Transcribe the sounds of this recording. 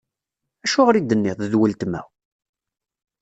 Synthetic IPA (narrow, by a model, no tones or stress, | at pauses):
æʃʊʁɾid̪ənːɪðˤəðwəlt̪mæ̰w